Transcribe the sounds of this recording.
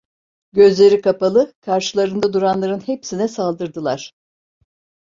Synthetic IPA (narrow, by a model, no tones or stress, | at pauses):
ɟø̞zlʲe̞ɾikʰapalˠɯkʰaɾʃɯlˠaɾɯnd̪ad̪uɾanlˠaɾɯnhe̞psinɛsalˠd̪ɯɾd̪ɯlˠaɾ̝̥